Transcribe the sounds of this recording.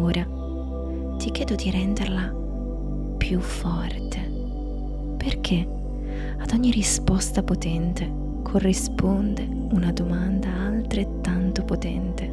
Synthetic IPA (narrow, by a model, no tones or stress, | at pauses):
oːɾʔa | t̪ikjɛːd̪od̪iɾɛnd̪erla | pʰjufːɔrt̪ʰe | perk̟ʰe | ad̪ɔɲːirispɔst̪apot̪ɛnt̪e | kʰorːispond̪e | unad̪omand̪aːlt̪ɾet̪ːant̪opot̪ɛnt̪e